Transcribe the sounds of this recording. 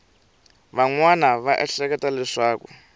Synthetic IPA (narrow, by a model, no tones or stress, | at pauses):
βaŋwanaβaʔɛɬɛk̬ɛtalɛʂaːku